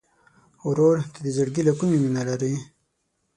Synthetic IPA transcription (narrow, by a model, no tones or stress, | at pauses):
uɾoɾt̪ed̪izəɽɡilakumiminalaɾi